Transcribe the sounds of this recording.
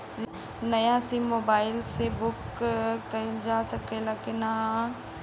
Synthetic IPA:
nɐjasimːoːbaːɪlsebʊkː | əd͡ʒaːsɐkelakɪna

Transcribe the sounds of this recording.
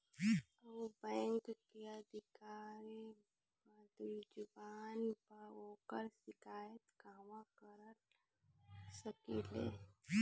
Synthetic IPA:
bɛ̃ːŋkkeəd̪ʱɪkaːɾi | bəd̪ud͡ʒʊbaːnpəoːkəɾsɪkaːjət̪kaːʋakəɾə | səkilḛː

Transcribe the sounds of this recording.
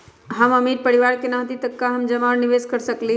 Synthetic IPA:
ɦəməmiɾpəɾiʋaɾkenãɦt̪it̪əkːaɦəmd͡ʒəmaɾniʋeskəɾsəkli

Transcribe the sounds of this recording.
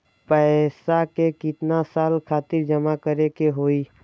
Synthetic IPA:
pɛːsakekɪt̪nasaːlkʰaːt̪ɪɾd͡ʒəmakəɾekeɦoːiː

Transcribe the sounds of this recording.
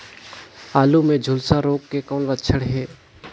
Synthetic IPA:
aːlumẽd͡ʒʱʊlsaɾoːkːekɔːnʋətt͡ʃʰəɽɦeː

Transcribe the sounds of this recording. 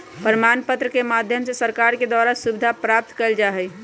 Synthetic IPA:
pəɾmanpət̪ɾəkemad̪ʱjəmsesəɾkaɾked̪waɾasubd̪ʱapɾap̚t̪kəld͡ʒaɦɛj

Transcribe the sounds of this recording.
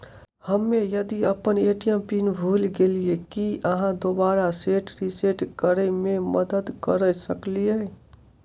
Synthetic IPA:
həmːẽjɐd̪iɐpəneːʈijəmpiːnbʱuːlɡeːliekiʔəɦãd̪oːbaːɾaseːʈɾiseʈkəɾemẽməd̪əd̪kəɾɛsəklieː

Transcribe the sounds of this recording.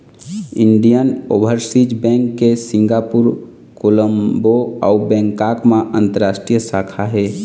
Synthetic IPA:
iɳɖijənobʱəɾsid͡ʒbɛ̃ŋkːesĩŋɡapuɾ | koləmboɔubɛ̃ːŋkakmãʔə̃nt̪əɾaːsʈɾijəsakʰaɦɛː

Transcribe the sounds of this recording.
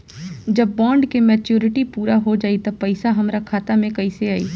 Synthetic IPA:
d͡ʒɐbːɔ̃ːɳɖkemɛːt͡ʃjuːɾɪʈipuːɾaɦod͡ʒaːit̪ɐpɐɪsaɦɐmɾakʰaːt̪amẽkɐiseaːḭː

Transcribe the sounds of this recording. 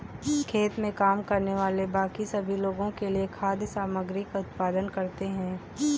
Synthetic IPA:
kʰeːt̪mẽkaːmkɐɾneʋaːlebaːkisɐbʱiloːɡõkeliekʰaːd̪jəsaːməɡɾɪkaʊt̪̚paːd̪ənkɐɾt̪eɦɛ̃ː

